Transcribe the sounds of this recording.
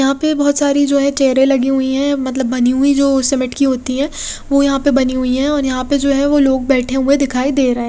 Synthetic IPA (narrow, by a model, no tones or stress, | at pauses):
jɐɦãpebɔɦːʊt̪saːɾid͡ʒoːɦɛ̃t͡ʃɛːɾẽlɐɡiɦʊiɦɛ̃mɐt̪ləbːɐniɦʊid͡ʒoːsɛmɪʈkiɦoːt̪iɦɛ̃ːʋojɐɦãpebɐniɦʊiɦɛ̃ɔːɾjɐɦãped͡ʒoːɦɛ̃ʋoloːɡ̚bɛːʈʰeɦʊed̪ɪkʰaːid̪eːɾɐɦẽː